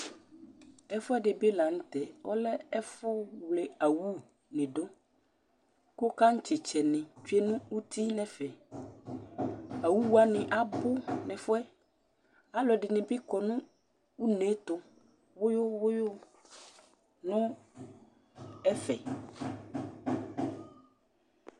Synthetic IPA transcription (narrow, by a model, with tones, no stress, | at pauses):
ɛ˦fʊ˦ɛ˦ɖɪ˨be˦la˨ŋ̩˦t̪ɛ˨wɔ̰˦lɛ˦ɛ˦fʊ˦wle˨a˨wu˦ | nɪ̃˨ɖo˦ | ko˦ka˦ŋ̩˦t͡ʃɪ˨t͡ʃɛ˨nɪ̃˨t͡ʃu˦e˦nũ˦u˦t̪ʰi˦nɛ̃˨fɛ˨ | a˨wu˦wu˦a˦˨nɪ̃˨ʔa˨bʊ˦nɛ̃˨fʊ˦ɛ˦ | a˦lɔ˨ɖɪ˨nɪ̃˨bɪ˦kɔ˨nũ˦ | u˦nẽ˨˦t̪ʊ˦ | wʊ˦jʊ˦wʊ˦jo˦ | nʊ̃˦ | ɛ˦fɛ˨